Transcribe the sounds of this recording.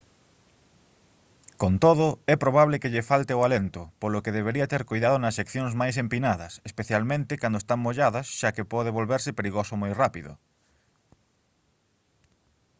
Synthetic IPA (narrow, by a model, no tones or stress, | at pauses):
kont̪oðʊɛpɾoβ̞aβ̞lekeʎefalt̪eoalent̪ʊpolokeðeβ̞eɾiat̪eɾkojðaðonɐsːekθjoŋzmajs̬empinaðɐsespeθjalmẽnt̪ɪkand̪oest̪aŋmoʎaðɐsʃakepɔðeβ̞olβeɾsɪpeɾiɣosomojrapiðʊ̰